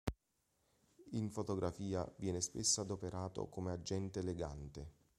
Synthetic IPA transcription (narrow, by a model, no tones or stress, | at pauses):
iɱfot̪oɡɾʔafiːavjɛːnespesːad̪opeɾʔaːt̪o̰komead͡ʒːɛnt̪eːleɡa̰nt̪e